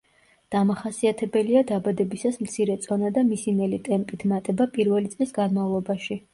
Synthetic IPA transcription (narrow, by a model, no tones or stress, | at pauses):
d̪̥amaχasiat̪ʰɛbɛliad̪abad̪ɛbisasmt̪sʰiɾɛt̪sʼɔnad̪amisinɛlit̪ʼɛmpʼit̪ʰmat̪ʼɛbapʼiɾvɛlit̪sʼlisɡanmavlˠɔbaʃi